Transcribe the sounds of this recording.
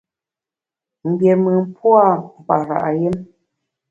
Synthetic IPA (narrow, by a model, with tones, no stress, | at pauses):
m̩˨bjɛ˨mə˨m˦pwa˦˨m̩˨pa̰˨ɾa̰˨ʔa˨je˦m